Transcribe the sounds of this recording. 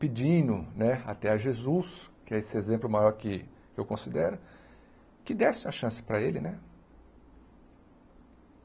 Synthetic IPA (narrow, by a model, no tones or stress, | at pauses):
pɪd͡ʒĩnʊnɛa̰t̪ɛɐʒezuskɪɛesɪezẽmplʊmajɔɾkɪ | ewkõsid̪ɛɾʊ | kɪd̪ɛsɪ̃ɐʃɐ̃sɪ̥pɾɐelɪnɛ